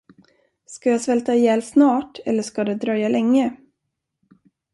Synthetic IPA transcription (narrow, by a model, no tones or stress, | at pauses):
skajaːsvɛlt̪ajɛːlsnɑːʈʰɛlːəʂkad̪ɛd̪ɾœjːalɛŋːə